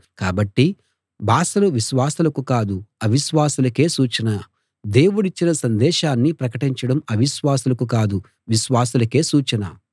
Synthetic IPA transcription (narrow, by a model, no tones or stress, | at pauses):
kaːbɐʈːi | baːsɐluʋiʃʋaːsɐlɐkukaːd̪uɐʋiʃʋaːsulɐke̞ːsuːt͡ʃɐnɐ | d̪e̞ːwuɽit͡ʃːinɐsɐnd̪ɛːʃaːnːipɾɐkɐʈiɲt͡ʃɐɽɐmɐʋiʃʋaːsulɐkukaːd̪u | ʋiʃʋaːsɐlɐke̞ːsuːt͡ʃɐnɐ̰